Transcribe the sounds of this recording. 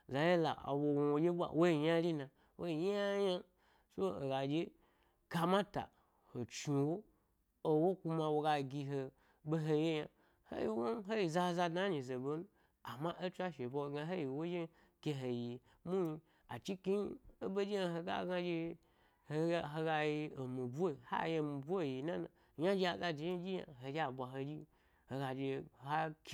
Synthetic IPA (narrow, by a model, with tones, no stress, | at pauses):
za˨je˦la̰˨wo˧wo˨wo˨d͡ʒe˦bʷa̰˨wo˦i˨ɲa˦lʲi˦nã˨ | wʔo˦i˨ɲ˦a˦ja˦ | so˦o̰˨ɡa˨d͡ʒe˦ | ka˧mã˦ta̰˨ | ho˨t͡ʃu˨wo˦ | o˧wo˦ku˧ma˧wo˧ɡa˧ɡʲi˧ɦo˧ | bo˦ɦo˧je˦ja̰˧ | ho̰˦ji˨wo˦ɦo˦ji˨za˧za˧dna˦ɲi˨ze˨bo˧nu˦ | a˨ma˦ʔo˦t͡ʃʷa˦ʃe˨bo˧˨ɡã˧ɦe˦ji˨wo˦d͡ʒe˦ | kʲe˧ɦe˨ji˨ | mu˦ɲi˧ | a̰˨t͡ʃi˦ki˦ɲ˦o˦bo˦d͡ʒi˦ja˧ɦo˧ɡa̰˦ɡa˧d͡ʒe˧ | hɦo˧ɡa˧ji˧o˨mi˨bʷha̰˦˨je˧˨mi˨bʷu˦˨ji˨na˦na̰˨ | ja˦d͡ʒi˦a˨za˧d͡ʒi˨˦i˦d͡ʒi˦ja̰˨ɦo˨d͡ʒa˨bʷa˨ɦo˧d͡ʒi˦ | ho˨ɡa˨d͡ʒe˧ɦa˦kʲ